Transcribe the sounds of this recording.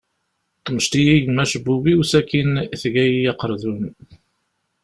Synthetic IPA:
t̪əməʃt̪ijijəmæʃəbːuwiwsækːinθʝæjijɑqəɾˤðun

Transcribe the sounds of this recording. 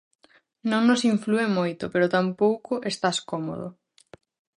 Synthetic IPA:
nõŋnosiɱfluemojt̪ʊpeɾʊt̪ampowkʊʔest̪askɔmo̰ðo̰

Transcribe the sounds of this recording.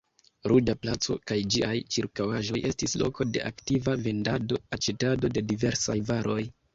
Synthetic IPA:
ɾud͡ʒaplat͡so̞̰kajd͡ʒiajt͡ʃiɾkawaʒo̞jʔe̞stislo̞̰ko̞de̞̰ʔaktivave̞ndado̞at͡ʃe̞tado̞de̞dive̞ɾsajvaɾʔo̞j

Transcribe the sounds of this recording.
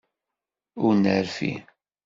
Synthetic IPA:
ʊɾnəɾfḭ

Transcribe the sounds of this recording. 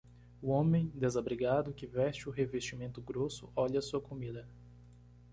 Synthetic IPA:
ʊõmẽj̃d̪ezabɾiɡad̪ʊkɪvɛst͡ʃɪʊɦevest͡ʃimẽnt̪ʊɡɾosʊɔʎɐsuɐkomid̪ɐ

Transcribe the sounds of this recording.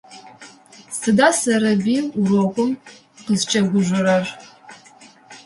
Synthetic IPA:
sɨdaːsɐɾɐbiːurokʷʼʊm | qəzt͡ʃʼɐɡʷʊʒʷʊɾɐr

